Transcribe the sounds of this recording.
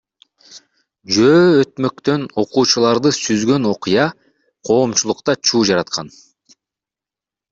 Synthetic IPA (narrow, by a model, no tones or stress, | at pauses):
d͡ʒøːøt̪mø̞kt̪ø̞no̞quːt͡ʃulˠɑɾd̪ɯsyzɡø̞no̞qɨjɑ | qʰo̞ːmt͡ʃulˠuqt̪ɑt͡ʃʰuːd͡ʒɑɾɑt̪̚qʰɑn